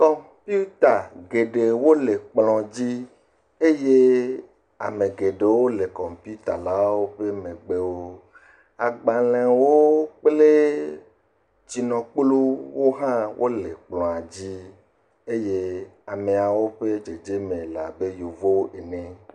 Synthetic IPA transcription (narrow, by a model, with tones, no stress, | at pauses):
kɔ˨m | pi˦u˦t̪a˨ɡe˨ɖe˨wo˦le˨k͡plɔ̃˨d͡ʑi˦ | e˦je˦ | a̰˨mẽ˨ɡe˨ɖe˨wo˦le˨kɔ˨mpi˦u˦t̪a˨la˦wo˦ɸe˦mẽ˨ɡ͡be˦wo˦ | a˨ɡ͡ba˨lẽ˨wo˦k͡ple˦ | d͡ʒi˨nɔ̃˨k͡plu˦wo˦ɦã˦wʔo˦le˨k͡plɔ̃˨a˨d͡ʑi˦ | e˦je˦a˨me˨a˨wo˦ɸe˦d͡ʒe˨d͡ʒe˦mẽ˨la˨be˦ju˨vo˦e˨nẽ˦